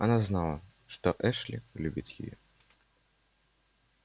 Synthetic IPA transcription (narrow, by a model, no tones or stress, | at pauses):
anaznalˠɐ | ʂt̪ɔʔɛʂlʲḭlʲubʲit͡sʲjḭjɛ